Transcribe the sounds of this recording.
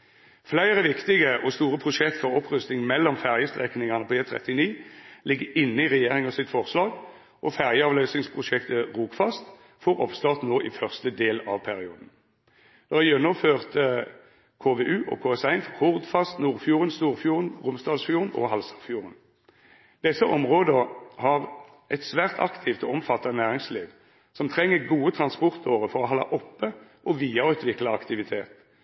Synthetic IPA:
flæɪʁəʋɪkt̪ɪɡəʔɔst̪uːʁəpʰʁʊʃɛkt̪fɔʁɔpʁʉst̪ɪŋmɛlːɔmfæʁjəst̪ʁɛknɪŋɑnəpʰɔeːt̪ʰʁɛ̰t̪ɪniːlɪɡːəɪnːəɪʁɛjeːʁɪŋɑsɪt̪fɔʁslɑːɡ | ʔɔfæʁjəɑːʋløːsnɪŋspʰʁʊʃɛkt̪əʁuːkfɑst̪ | fɔʁɔpst̪ɑːʁt̪noːʔɪfœʁst̪əd̪eːlɑ̰ːʋpʰæʁɪuːd̪n̩ | d̪̥ɛhɑjœnɔføːʁt̪ə | kʰoːʋeʔʉːʔɔ̰kʰoːɛsæɪnfɔʁhʊʁd̪fɑst̪nuːʁfjuːʁənst̪uːʁfjuːʁənʁʊmst̪ɑːd̪sfjuːʁənɔ̰ɦɑlsɑʁfjuːʁən | d̪̥ɛsːəʔɔmʁoːd̪əhɑʁ | ʔɛt̪sʋæːʁt̪ʰɑ̰kt̪ʰɪft̪ɔɔmfɑt̪ːɑnæːʁɪŋsliːʋ | sɔmt̪ʰʁɛŋːəʁɡuːət̪ʰʁɑnspɔʁt̪ʰɔʁəfɔʁɔhɑlːɑ̰ʔɔpːəʔɔʋiːɑʉːt̪ʰʋɪklɑɑkt̪ɪʋɪt̪ʰeːt̪

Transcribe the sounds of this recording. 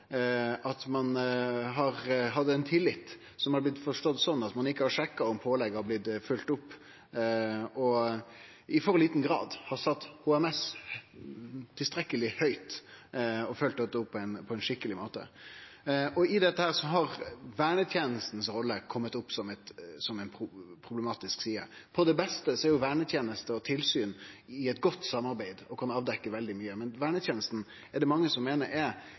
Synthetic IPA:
ʔɑt̪mɑnɦɑɾɦɑd̪ːəɛnt̪ʰɪlːɪt̪ | sɔmhɑɾblɪt̪ːfɔʂʈɔd̪ːsɔnːɑt̪mɑnɪkːəhɑɾʂɛkːɑɔmpʰoːlɛɡɔblɪd̪fʉlt̪ʊpː | ɔ | ʔɪfɔɾliːt̪n̩ɡɾɑ̰ːd̪hɑɾsɑt̪ːhuːɛmɛs | t̪ʰːɪlst̪ɾɛkəlɪhœʏt̪ | ɔfœlt̪ɔt̪ːʊpːʰɔɛnpʰɔɛnʂɪkːəlɪmoːt̪ə̰ | ɔɪd̪ɛt̪ːəhæːɾsɔɦɑɾʋæːɳət̪ʰjeːnəst̪n̩sɾɔlːəkʰɔmːət̪ʊpːsɔmɛt̪sɔmɛɪnpʰʊpʰɾʊbləmɑːt̪ɪsksiːə̰pʰɔd̪ɛbɛst̪əsɔɛɾjʊʋæːɳət̪ʰjeːnəst̪əɔt̪ʰɪlsyːnɪɛt̪ɡɔt̪ːsɑmːɑɾbæɪd̪ɔkʰɑnɑːʋd̪ɛkːəʋɛld̪ɪmyːəmɛnʋæːɳət̪jeːnəst̪n̩ | ɛɖɛmɑŋːəsɔmːeːnəɾʔɛ

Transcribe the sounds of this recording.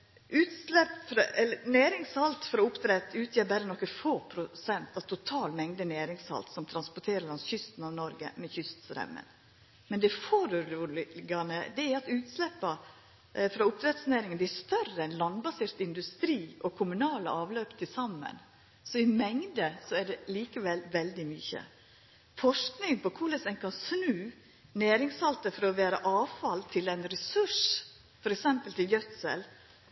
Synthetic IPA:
ʔʉːt̪slɛpːfɾɛlːənæːɾɪŋshɑlt̪fɔɾɔʊpt̪ɾɛt̪ːʉːt̪ʰjeːbæɾənɔkːəfoːpʰɾʊsɛnt̪ɑʋt̪ʰʊt̪ʰɑːlmɛŋd̪ənæːɾɪŋshɑ̰lt̪sɔmt̪ʰɾɑnspɔʈ̪ʰeːɾəɭɑnsçʏst̪nɑʋnɔɾɡə̰mɛçʏst̪st̪ɾɛ̰mːə̰n | mɛnd̪ɛfoɾʉuːlɡɑnəd̪ɛæɾɑt̪ʉːt̪slɛpːɑ | fɾɑːʊp̚t̪ʰɾɛt̪snæːɾɪŋənd̪ɛæʂt̪œrəɛnlɑnbɑsɪɾt̪ɪnd̪ʉst̪ɾiːʔɔkʰʊmʉnɑːlə̰ɑːʋløːpt̪ʰɪlsɑmːə̰n | sɔɪmɛŋd̪əsɔæɖɛliːkəʋɛlʋɛld̪ɪmʏçə̰ | fɔʂknɪŋpɔkʰʊɭɛsɛnkʰɑnsnʉː | næːɾɪŋsɑlt̪əfɔɾɔʋæːɾəʔɑːʋfɑlt̪ʰɪlɛɪnɾɛsʉʂ | fɔɾɛksɛmpəlt̪ɪlɡœt̪sɛ̰l

